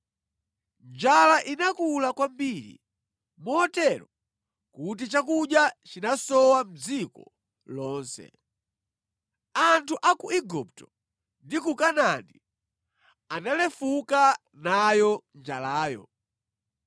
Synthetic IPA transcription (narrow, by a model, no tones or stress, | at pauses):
nd͡ʒalaʔinakulakwambiɾḭ | mɔːtɛɾɔ | kut̬it͡ʃakuɗjat͡ʃinasɔwam̩d͡zikɔ | lɔːnsɛ̰ | antʰuʔakuiɡup̚tɔ̥ | ndikukanandi | analɛfuka | najɔnd͡ʒalaːjɔ̰